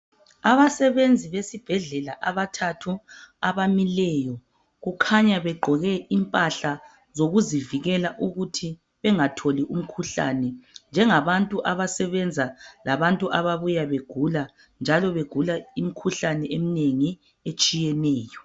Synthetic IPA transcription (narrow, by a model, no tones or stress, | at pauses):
aβasɛβend͡zʱiβesib̥ʱɛɮɛlaʔaβatʰatʰuaβamilɛjɔ | ɣukʰaɲaβɛɡ͡ǃʱɔɣɛʔimpʼaɬa | zoɣuziviɣɛlaʔuɣutʰi | βɛŋatʰoliʔum̩kʰuɬa̰nɛnd͡ʒʱɛŋaβantʼuʔaβasɛβɛnd͡zʱalaβantʼuʔaβaβujaβeɡ̥ʱula | nd͡ʒʱalɔβeɡ̥ʱulaim̩kʰuɬanɛʔem̩neŋi | et͡ʃʼijɛnɛːjɔ